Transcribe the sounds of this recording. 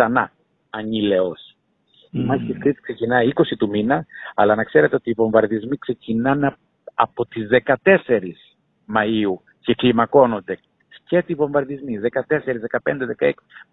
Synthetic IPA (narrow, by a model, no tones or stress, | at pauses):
ɐnɐ | ɐɲile̞o̞s | imɐsit̪iskɾit̪i̥kse̞cinɐiiko̞sit̪uminɐɐlɐnɐkse̞ɾe̞t̪e̞o̞t̪iːvo̞ɱvɐɾðizmikse̞cinɐn | ɐpo̞t̪izðe̞kɐt̪e̞se̞ɾis | mɐiu | ce̞klimɐko̞no̞nd̪e̞ | cet̪ivo̞ɱvɐɾðizmiðe̞kɐt̪e̞se̞ɾizðe̞kɐpe̞nd̪e̞ðe̞kɐeksi̥